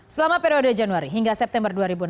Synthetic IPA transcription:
səlamapeɾiodəd͡ʒanuaɾiɦiŋɡasɛp̚t̪ɛmbərduaɾibun

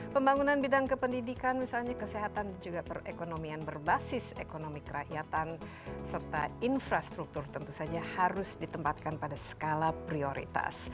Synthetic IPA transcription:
pəmbaŋunanbidaŋkəpəndidikanmisalɲakəseɦat̪and͡ʒuɡapərekonomianbərbasɪsekonomikəɾa̰ʔjat̪an | sərt̪a̰infɾast̪ɾuk̚t̪urt̪ənt̪usad͡ʒahaɾʊsdit̪əmpat̪̚kanpadasə̥kalapɾioɾḭt̪a̰s

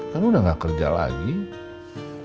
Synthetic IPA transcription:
kanudahŋɡaʔkərd͡ʒa̰la̰ɡi

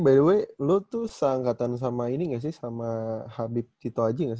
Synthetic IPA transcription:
baiduɛlut̪usəaŋkat̪ans̬amainiŋas̬ɪhsamahabɪp̚t̪it̪oad͡ʒaŋɡas̬

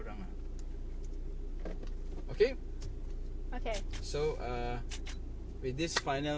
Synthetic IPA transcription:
ɹãŋa | oke | okesoʌ | wid̪ɪsfãjnə

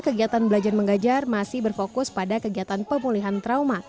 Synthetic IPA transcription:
kəɡiat̪anbəlad͡ʒarməŋɡad͡ʒarmasɪhbərfokʊspadakəɡiat̪anpəmuliɦant̪ɾawma

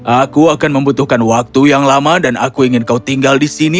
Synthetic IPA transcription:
ʔakuakanməmbut̪uhkanwak̚t̪ujaŋlamadanakuiŋɪnkaut̪iŋɡaldisini

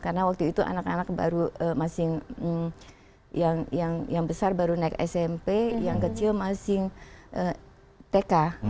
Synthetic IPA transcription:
karənawak̚t̪uit̪uʔa̰nakanak̚ba̰ɾuəmasɪŋ̩ | jaŋjaŋjaŋbəsarbaɾunaikɛ̰sɛmpejaŋkət͡ʃilmasɪŋʔə | t̪eka

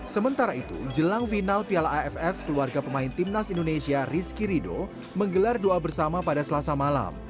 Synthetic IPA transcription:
səmənt̪aɾait̪ṵd͡ʒəlaŋfinalpialaɛfɛfkəluarɡapəmaint̪imnasindonesiariskiɾido̰ | məŋɡəlardoabərsamapadasəlasamala̰m

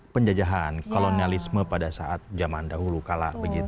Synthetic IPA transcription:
pəɲd͡ʒad͡ʒaɦankolonialisməpadasaʔat̪̚d͡ʒamandaɦulukala̰ʔbəɡit̪

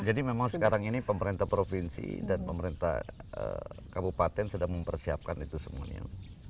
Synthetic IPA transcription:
d͡ʒadimemaŋsəkaɾaŋinipəməɾint̪ahpɾofinsḭdanpəməɾint̪a̰hə̰kabupat̪ɛnsədaŋməmpərsia̰p̚kanit̪usəmua̰ɲa̰

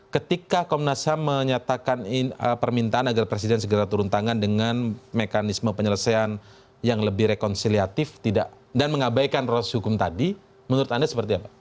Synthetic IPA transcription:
kət̪ikakomnasaməɲat̪akaniəpərmint̪aanaɡarpɾesidɛnsəɡəɾat̪uɾunt̪aŋandəŋanmekanisməpəɲələsajan | jaŋləbɪhɾekɔnsiliat̪ɪft̪idaʔ | danməŋabajkanrɔshukʊmt̪adi | mənuɾʊt̪andasəpərt̪iapḁ

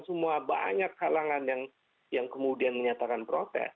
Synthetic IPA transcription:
səmuaba̰ɲakːalaŋanjaŋ | jaŋkəmudianməɲat̪akanpɾot̪ɛ̰s

